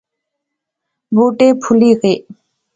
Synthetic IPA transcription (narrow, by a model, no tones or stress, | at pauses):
buːʈeːpʰʊliːɣeː